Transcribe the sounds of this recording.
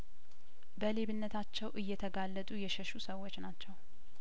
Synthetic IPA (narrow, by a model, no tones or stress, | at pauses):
bəle̞βɨnːət̪ʰat͡ʃːɛwʔɨjːɛt̪ʰəɡalːət̪ʼujɛʃəʃusəwːot͡ʃːnat͡ʃːɛw